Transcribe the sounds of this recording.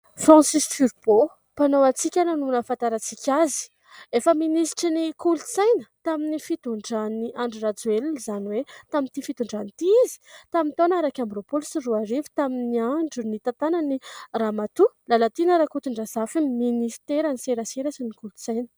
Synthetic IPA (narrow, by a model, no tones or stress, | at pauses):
fɾãsisfyɾbo | panowat͡sikʲananunəfãnt̪aɾat͡sikʲazi̥ | efəminisʈ͡ʂinikulut͡sajnət̪aminifit̪uɳɖ͡ʐaniaɳɖ͡ʐirat͡suelnizaniwet̪amint̪ifit̪uɳɖ͡ʐanit̪iizi̥t̪amint̪onaɾakʲambropulsiruaɾivi̥t̪aminiaɳɖ͡ʐunit̪at̪ananiramat̪ulalat̪inaɾakut̪iɳɖ͡ʐasafimminist̪eɾaniseɾaseɾasinikult͡sajnə̥